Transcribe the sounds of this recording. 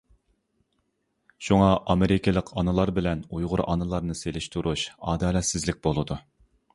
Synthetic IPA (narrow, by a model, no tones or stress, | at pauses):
ʃuŋɑʔɑmeɾɪkʲʰɪlˠəqʰɑnɨlˠɑɾbɪlɛnujʁʊɾɑ̰nɨlˠɑɾnɨselɪʃt̪ʰuɾʔuʃɑːd̪ɑːlɛt̪sɪzlɪk̚ʲbolˠɨd̪u